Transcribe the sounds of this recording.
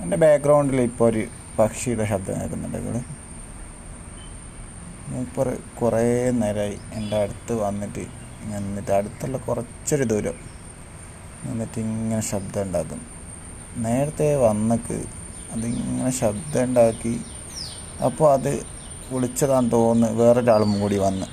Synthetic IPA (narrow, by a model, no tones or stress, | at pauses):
ende̞baːkɡrɐwɳɖilipːoːɾu | pɐkʂijuɽeɕɐb̚d̪ɐna̰ːkːunːɐ̰ɳɖɐ̰ŋɡḭɭɨ | ipːoːrkureneːɾaːjienɖaɐɽut̪ːɨʋɐnːitːɨ̰ | iŋːɐnnːitːɨɐɽut̪ːɐlːɐkurɐt͡ɕːo̞ɾud̪uːɾɐ | ʋɐnːitːɨiŋːɐne̞ɕɐbd̪ɐuɳɖaːkːunːɨ | ne̞ːɾɐt̪ːe̞ʋɐnːɐkːɨ̰ | ɐðiŋːɐne̞ɕɐb̚d̪ɐuɳɖaːkːi | ɐ̰pːoːɭɐðɨ | ʋiɭit͡ɕːɐðaːnt̪o̞ːnːɨʋe̞ːreɾaːɭumkuːɽiʋɐnːɨ